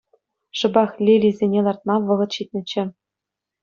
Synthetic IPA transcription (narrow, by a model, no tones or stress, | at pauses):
ʂɤ̆bɑχlʲilʲizʲenʲelˠɑrt̪̚mɑʋɤ̆ʁɤ̆t̪ɕit̪ʲnʲɘ̆t͡ɕɘ̆